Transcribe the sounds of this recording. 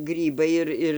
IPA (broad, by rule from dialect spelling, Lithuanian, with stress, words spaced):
ˈɡrʲiːbɐɪ ɪr ˈɪr